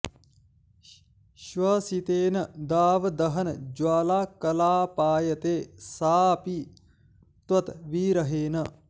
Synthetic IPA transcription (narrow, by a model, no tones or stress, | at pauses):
ʃʋɐsit̪eːnɐd̪aːʋd̪ɐɦɐnd͡ʒwaːlaːkɐlaːpaːjɐt̪eːsaːpi | t̪wɐt̪ʋiːɾɐɦeːnɐ